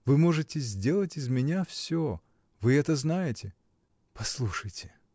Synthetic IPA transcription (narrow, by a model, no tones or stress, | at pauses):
vɨmo̞ʐɨtʲɪzʲdʲe̞lˠətʲɪzmʲɪnʲafsʲo | vɨɛt̪əznajɪtʲɪ | pɐslˠuʂəjtʲɪ